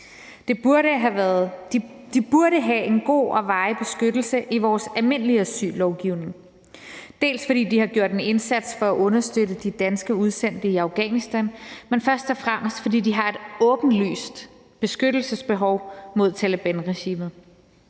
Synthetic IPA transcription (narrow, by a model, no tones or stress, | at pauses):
d̥e̝̥əɦæð̥ | d̥ib̥uɐɾəɦæe̝nɡ̥o̝̰ːʔɒ̽ʋɑ̈ɪb̥e̝sɡ̥ød̥l̩səʔiʋɒːsælme̝nəliæsy̰ːlɒʊɡ̥iʊ̰ne̝ŋ | d̥e̝̰ːlsfɒd̥ḭːd̥ihɑ̈ɡ̥jo̝ɐ̰de̝ne̝nsæd̥sfɒ̽æʔɔ̽nɐsd̥øɾəd̥id̥ænsɡ̥əuð̞ˠsen̰d̥əiɑ̈ʊɡ̥ɛːnisd̥ænmenfɶɐsd̥ɒ̽fʁam̰əsd̥fɒ̽dḭːd̥iɦɑ̈e̝d̥ɔ̽ːb̥n̩ly̰ːsd̥ | b̥e̝sɡ̥øɾ̥l̩səsb̥e̝ɦɒʊmo̝ð̞̰ˠt͡sʰæləb̥ænʁɛɕḭːmð̩ˠ